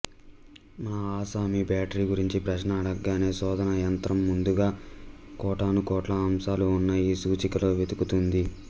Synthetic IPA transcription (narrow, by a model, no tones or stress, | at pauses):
mɐnɐaːsaːmibaːʈɐɾiɡuɾiɲt͡ʃipɾɐʃnaːɽɐɡːaːne̞ːsɔːd̪ʱɐnɐjɐnt̪ɾɐmːund̪uɡaːkɔːʈaːnukɔːʈlɐːmsaːluːnːɐjiːsuːt͡ʃikɐlo̞ːʋed̪ukut̪und̪i